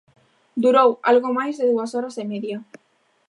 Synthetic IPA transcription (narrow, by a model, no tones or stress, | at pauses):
d̪uɾowa̰lɣomajzðeðuasoɾasemeðja